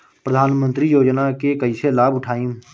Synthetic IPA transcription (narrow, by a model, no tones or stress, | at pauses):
pɾəd̪ʱaːnmə̃nt̪ɾijoːd͡ʒnakekəiselaːbʊʈʰaːĩː